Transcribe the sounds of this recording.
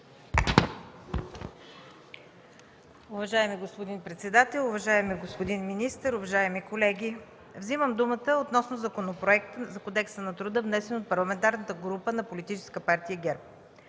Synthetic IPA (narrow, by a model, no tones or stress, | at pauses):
ʊvɐʒaɛmiɡospod̪inpɾɛt̪sɛd̪at̪ɛlˠʊvɐʒaɛmiɡospod̪inminist̪əɾʊvɐʒaɛmikolɛɡʲi | vziməmd̪umət̪əot̪nɔsnozɐkonopɾoɛkt̪zɐkod̪ɛksənɐt̪ɾʊd̪əvnɛsɛnot̪̚pɐɾlˠɐmɛnt̪aɾnət̪əɡɾupənɐpolit̪it͡ʃɛ̥skəpaɾt̪ijəɡʲɛɾp̚